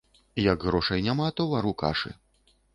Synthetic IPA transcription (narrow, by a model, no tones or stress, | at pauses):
jɐɡɣɾɔʂɐjnʲamat̪ɔvaɾuka̰ʂɨ̰